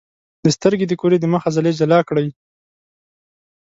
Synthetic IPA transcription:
d̪̥əst̪əɾɡed̪əkoɾed̪əməxazaled͡ʒalɑkɽəj

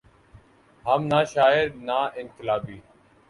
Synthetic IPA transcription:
ɦəmnaːʃaːɪɾnaːɪnkɪlaːbiː

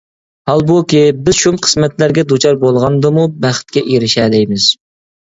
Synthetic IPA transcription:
hɑlˠbukʲibɪzʃumqʰə̥smɛt̪læɾɡʲɛd̪ut͡ʃʰɑɾbolˠʁɑnd̪ɨmubæχt̪̚kʲɛʔeɾɪʃɛːlɪjmɪz̥

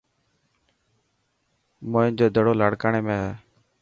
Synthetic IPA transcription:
moːɪnd͡ʒoːd̪ʱəɽoːlaːɽkaːɳeːmẽːɦɛː

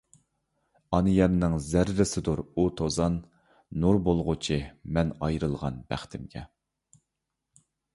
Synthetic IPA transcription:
ɑnɨjɛnnɨŋzæɾːɪsɪd̪uɾut̪ʰozɑnː | uɾbolˠʁʊt͡ʃʰimɛnɑjɾɨlˠʁɑnb̥æ̰χt̪ʰɪmɡʲɛ̰

